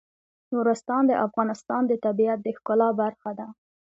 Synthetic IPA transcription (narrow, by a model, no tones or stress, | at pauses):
nuɾʊst̪ɑnd̪əʔafɣɑnɪst̪ɑnd̪ət̪abijat̪̚d̪əhxkʊlɑbaɾxad̪a